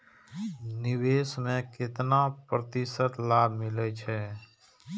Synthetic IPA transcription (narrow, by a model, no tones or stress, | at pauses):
nɪweːsmẽkɪt̪napɾət̪ɪsət̪laːbʱmɪlɛt͡ʃʰɛː